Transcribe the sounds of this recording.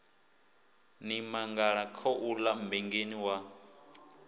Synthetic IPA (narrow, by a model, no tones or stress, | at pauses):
nimaŋɡaɺakʰɔʔulambɛŋɡeniwa